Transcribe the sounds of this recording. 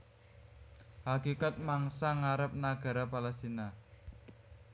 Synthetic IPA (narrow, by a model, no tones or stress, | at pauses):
hakikat̪̚maŋsaŋaɾəp̚naɡ̥a̤ɾapalast̪ina